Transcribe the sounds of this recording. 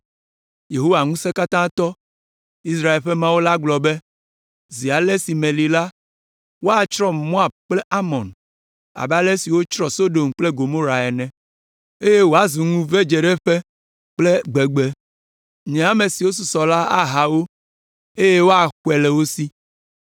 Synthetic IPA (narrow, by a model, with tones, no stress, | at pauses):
je˨ɦo˦wa˨ŋũ˦se˦ka˦t̪ã˦t̪ɔ˦ | i˦s̬ɾa˦e˨lɸe˦mã˦wo˦la˦ɡ͡blɔ˨be˦ | zi˨a˨le˦si˨mẽ˨li˨la˦ | wo˦a˨t͡ʃɾɔ˦mɔ̃˦a˨k͡ple˦ʔa˦mɔ̃˨n | a̰˨bɛ˦a˦le˦si˨wo˦t͡ʃɾɔ˦so˦ɖo˨mk͡ple˦ɡo˨mo˦ɾa˨ɛ˨nɛ̃˨ | e˦je˦wo˦a˨˦zu˨ŋũ˦ve˦d͡ʒe˨ɖɛ˦ɸe˦ | k͡ple˦ɡ͡be˨ɡ͡be˦ | ɲɛ̃˨a˦mẽ˨si˨wo˦s̬u˨sɔ˨la˦a˦ɦa˨wo˦ | e˦je˦wo˦a˨xwɛ˨lɛ˨wo˦si˦